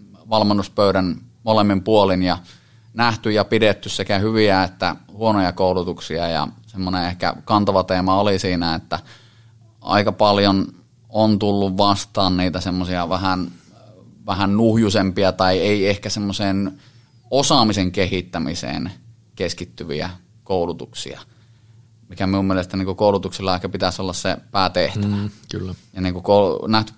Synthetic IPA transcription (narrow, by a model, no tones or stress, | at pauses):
ʋɑlmenːuspøyɾænmolemːimpuolinjɑ | næht̪yjɑpidet̪ːyssekæhyʋiæet̪ːæ̰huonojɑkoˑulut̪uksiɑ̰jɑ̰semːoneehkæ̰kɑnt̪ɑʋɑt̪eːmɑolisiːnæet̪ːæ | ʔɑ̰ikɑpɑljon | ont̪ulːuʋʋɑst̪ɑːnniːt̪æsemːosiɑʋæhæn | ʋæhænnuhjusempiɑt̪ɑieˑiehkæsemːoseːn | osɑmiseŋkehit̪ːæmisḛːn | keskit̪ːyʋḭæ̰ | koˑulut̪uksḭɑ̰ | mikæmiumielest̪æniŋkukoˑulut̪uksilːɑehkæpit̪æsolːɑssḛpæːt̪eht̪æʋækylːjɑniːŋkukoˑnæht̪y̥